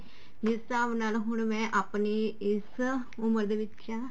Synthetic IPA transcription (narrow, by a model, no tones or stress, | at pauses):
d̪ɪst̪aːʋnaːlɦʊɳmɛ̃ːʔaːpneːɪs | ʊməɾd̪eːʋɪt͡ʃkaː